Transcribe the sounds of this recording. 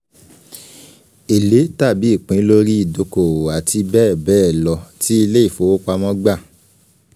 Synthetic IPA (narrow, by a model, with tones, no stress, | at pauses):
e˨le˨˦ta˦˨bi˨˦i˦˨k͡pĩ˨˦lo˦ɾi˦i˦˨do˧ko˨a˨ti˧bɛː˦˨bɛː˦˨lɔ˧ti˦i˧le˦i˦˨fo˨˦o˦k͡pa˧mɔ̃˦ɡ͡ba˦˨